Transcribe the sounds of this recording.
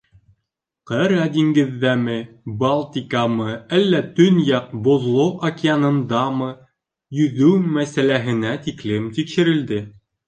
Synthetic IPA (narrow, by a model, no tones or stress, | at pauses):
qɤɾɑd̪iŋɡɘ̆ðːæmɘbɑlˠt̪ʲikamɤælːæt̪ɵnjɑq̚bŏðlˠoʔɐkʲɪanɤ̆nd̪ɑmɤ | jɵ̆ðʉwmæsælæɦɘ̆næt̪iklɘmt̪ikʃɘ̆ɾɘ̆ld̪ɘ